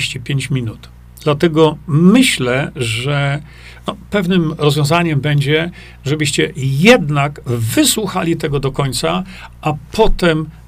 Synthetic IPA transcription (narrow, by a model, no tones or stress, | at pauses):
ɕt͡ɕipʲjeɲt͡ɕmʲinut̪ | d̪̥lat̪ɛɡɔmɘɕlɛʐɛ | nɔpɛvnɘmɾɔzvʲjɔ̃zaɲɛmbɛɲd͡ʑɛ | ʐɛbɘɕt͡ɕɛjɛd̪naɡvɘswuxalʲit̪ɛɡɔd̪ɔkɔɲʲt̪saapʰɔt̪ɛm